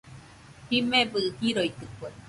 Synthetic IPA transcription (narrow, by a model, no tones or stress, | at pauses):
himebɨhiɾoit̪ɨkwe